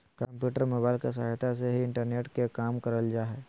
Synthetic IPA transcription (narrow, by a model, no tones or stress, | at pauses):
kəmpjuːʈəɾmoːbaːɪlkes̬a̰ɦjt̪ʰas̬eɦiɪ̃ɳʈəɾneːʈkekaːmkəɾəld͡ʒaːɦɛ